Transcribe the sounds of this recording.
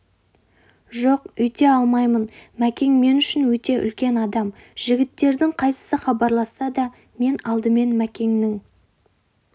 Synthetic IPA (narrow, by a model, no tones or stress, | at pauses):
ʒoqʏjt̪e̞ɑlˠmɑjmənmækʲe̞ŋme̞nʏʃɪnwɵt̪e̞ʔʏ̰lkʲe̞nɑd̪ɑm | ʒ̥ɪɡʲɪt̪ːe̞ɾd̪ɪŋqʰɑjsə̥səχɑbɑɾlˠɑsɑd̪ɑ | me̞nɑlˠd̪əme̞nmækʲe̞ŋnɪŋ